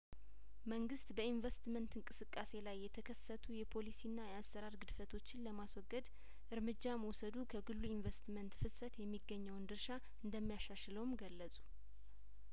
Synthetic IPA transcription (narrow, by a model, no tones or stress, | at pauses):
məŋɡɨst̪bəinvəst̪mənt̪ɨŋkʼɨsɨkʼːase̞lajːɛt̪ʰəkʰəsːət̪ʰujɛpʰo̞lisinːajɛasːəɾaɾɡɨd̪fət̪ʰo̞t͡ʃːɪnləmaswɔɡːəd̪ | ʔɨɾmɨd͡ʒːaməwsəd̪ukʰəɡɨlːuinvəst̪mənt̪fɨsət̪jɛmːiɡːəɲːəwnd̪ɨɾʃa | ʔɨnd̪əmːijaʃaʃləwmɡəlːəsʼu̥